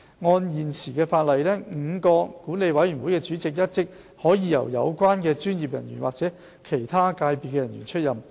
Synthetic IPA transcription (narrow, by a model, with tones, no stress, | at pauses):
ŋɔː˧njiː˨˩nsiː˨˩kɛː˧faː˧t̚lɐ˨jlɛː˥ŋ̩˨˧kɔː˧kuː˨˥ne˨˧jwɐ˨˥jy˨˩nwuː˨˥jkɛː˧t͡ʃyː˨˥t͡sɪ˨k̬̚jɐ˥t̚t͡sɪ˥k̚ | hɔː˨˥jiː˨˧jɐ̰˨˩wjɐ̰˨˧wkʷaː˥nkɛː˧t͡ʃyː˥njiː˨p̚jɐ̰˨˩njy̰ː˨˩nwaː˨k̚t͡sɛː˨˥ | kʰe˨˩jt̪ʰaː˥kaː˧jpiː˨t̚kːɛː˧jɐ˨˩njy̰ː˨˩nt͡ʃʰɵ˥t̚jɐ˨m